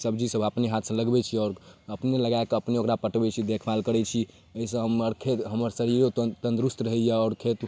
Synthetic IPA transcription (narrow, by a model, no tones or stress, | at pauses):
səbd͡ʒisəbʱəpneɦat̪ʰsə̃ləɡbɛt͡ʃʰiɔːɾəpneləɡaekəpneokɾapəʈbɛt͡ʃʰid̪ekʰbalkəɾɛt͡ʃʰi | əɦisə̃ɦəməɾkʰet̪ɦəməɾsəɾiɾot̪ə̃nd̪ɾust̪ɾəɦɛjaɔːɾkʰet̪